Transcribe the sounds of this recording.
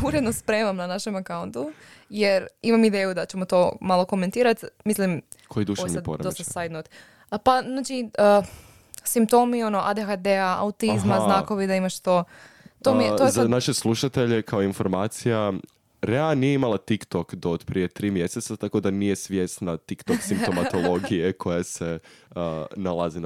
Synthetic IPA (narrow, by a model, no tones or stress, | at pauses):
uɾed̪nospɾe̞ːmamnanaʃe̞makaunt̪ujeɾimamid̪eːjud̪at͡ɕe̞mo̞t̪o̞malo̞ko̞me̞nt̪iːɾat̪mislim | kʰojid̪uʃosiad̪poɾdost̪asajd̪not̪ | panaːt͡ʃiə | simp̚t̪o̞mio̞no̞ʔad̪exad̪eaʔa̰ut̪izmaznaːko̞ʋid̪aimaʃt̪o̞t̪omiojeanaʃeslˠuʃat̪e̞ʎekʰaoinfoɾmaːt̪sija | ɾeanijeimalˠat̪ikt̪okd̪oːd̪pɾije̞t̪ɾiːmje̞set̪sat̪akod̪anije̞sʋje̞st̪nat̪ikt̪oksimpt̪omat̪olˠo̞ɡijekʰo̞jase | nalˠazin